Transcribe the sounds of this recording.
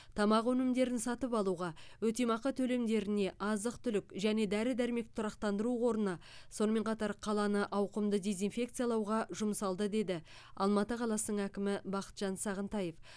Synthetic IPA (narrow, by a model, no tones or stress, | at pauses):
t̪ʰɑmɑqɵnɪmd̪e̞ɾɪnsɑt̪əpɑlˠuʁɑwɵt̪e̞mɑqət̪ʰɵle̞md̪e̞ɾɪne̞ʔɑzəqt̪ʰʏlɪkʒæne̞d̪æɾɪd̪æɾme̞kt̪ʰʊɾɑqt̪ɑnd̪əɾuwo̞ɾənɑ | so̞nəme̞ɴqʰɑt̪ɑɾqʰɑlˠɑnəʔɑwqəmd̪əd̪e̞zinfe̞kt̪sɨjɑlˠɑwʁɑʒʊməsɑlˠd̪əd̪e̞d̪ɪ | ɑ̰lˠmɑt̪əqʰɑlˠɑsənəɴækʲɪmɪbɑqə̥t̪ʒ̥ɑnsɑʁənt̪ɑje̞f